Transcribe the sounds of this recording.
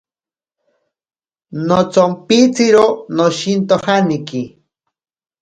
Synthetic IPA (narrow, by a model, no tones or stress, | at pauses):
not͡sompit͡siɾonoʃint̪ohaniki